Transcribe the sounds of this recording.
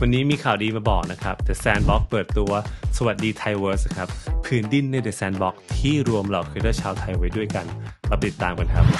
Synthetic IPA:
wa˧nːiː˦˥miː˧kʰaː˨˩wdiː˧maː˧bɔː˨˩k̚na˦˥kʰa˦˥p̚d̪ɛː˨˩sɛː˧nbɔ˦˥k̚pɤː˨˩t̪ːu˧ɐsa˧wa˨˩t̪̚diː˧t̪ʰa˧jwɤː˦˥skʰɾa˦˥p̚pʰːɯː˨˩˦ndi˧˩nːa˧jdeː˨˩sɛː˧nbɔ˦˥k̚t̪ʰiː˥˩ɾu˧əmla˨˩wkʰɯː˧daː˥˩jt͡ɕʰaː˧wt̪ʰa˧jwa˦˥jdu˥˩əjka˧nla˧p̪i˨˩t̪ːaː˨˩mka˧nkʰa˦˥p̚

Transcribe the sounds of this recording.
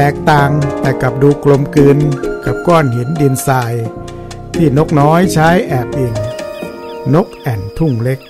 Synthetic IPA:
ɛː˨˩k̚t̪aː˧ŋt̪ɛː˧˩ka˨˩p̚duː˧klo˧mkɯː˧nka˨˩p̚kɔː˧˥˩nhe˨˩˦ndi˧nsaː˧j | t̪ʰiː˥˩no˦˥k̚nɔː˦˥jt͡ɕʰaː˦˥jʔɛː˨˩p̚ʔiː˨˩ŋ | no˦˥k̚ʔɛ˨˩nt̪ʰu˥˩ŋle˦˥k̚

